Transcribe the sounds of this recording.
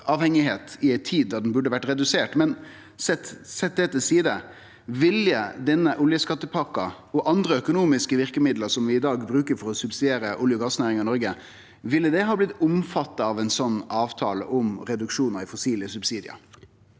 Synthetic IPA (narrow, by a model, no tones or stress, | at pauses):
ɑːʋhɛŋɪɦeːt̪ɪæɪtt̪ʰiːd̪̚d̪ɑɖ̪ɛnbʉɖːəʋæʈːɾɛd̪ʉseːʈmɛn | sɛt̪sɛt̪̚d̪ɛt̪əsiːd̪ə | ʋɪljəd̪ɛnːəʔʊljəskɑt̪ːəpʰɑkːɑ | ɔʔɑnd̪ɾəœkʊnuːmɪskəʋɪɾkəmɪd̪ləɾsɔmʋɪɪd̪ɑːɡbɾʉːkəɾfɔɾɔsʉbsɪd̪eːɾəʔʊljəɡɑːsnæːɾɪŋɑɪnɔɾɡə | ʋɪlːəd̪ɛɦɑːblɪt̪ːʊmfɑt̪ːɑɑʋæɪnsɔnːɑːʋt̪ʰɑːlə̰ʔɔmɾɛd̪ʉkʂuːnəɾɪfɔsiːlɪəsʉbsiːd̪ɪə̰